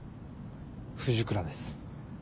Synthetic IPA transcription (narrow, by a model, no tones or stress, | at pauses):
ɸɯ̟ʑɨkɯ̟ɾad̪e̞sɨ̥